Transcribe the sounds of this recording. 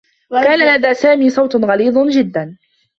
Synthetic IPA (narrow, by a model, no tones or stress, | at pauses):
wkaːnalad̪aːsaːmiːsˤɑwt̪nɣɑliːd̪ˤd͡ʒɪd̪ːan